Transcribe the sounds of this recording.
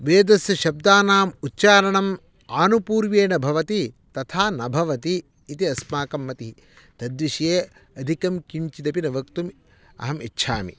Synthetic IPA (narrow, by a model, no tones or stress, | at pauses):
ʋeːd̪ɐsjɐʃɐb̚d̪aːnaːmutːt͡ʃaːɾɐɳɐm | aːnupuːɾʋeːnɐbʱɐʋɐt̪i | t̪ɐt̪ʰaːnɐbʱɐʋɐt̪iː | t̪iɐsmaːkɐmːɐt̪i | t̪ɐd̪ʋiʃjeː | ɐd̪ʱikɐmkiɲt͡ʃid̪ɐpinɐʋɐkt̪um | ɐ̰ɦɐmitːʃʰaːmḭ